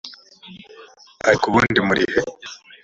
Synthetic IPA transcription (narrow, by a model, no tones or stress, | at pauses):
aɾikuβuːndimuɾʔḭhe